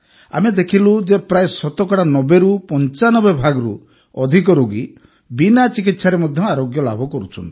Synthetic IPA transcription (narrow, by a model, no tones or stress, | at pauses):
a̰med̪ekʰilud͡ʒepɾaesɔt̪ɔkɔɽanɔbeɾupɔnt͡ʃanɔbebʱaɡɔɾṵ | ɔd̪ʱik̬ɔɾoɡi | binat͡ʃikit̪saɾemɔd̪ʱjɔaɾoɡjɔla̰bʱɔkɔɾut͡ʃʰɔnt̪i̥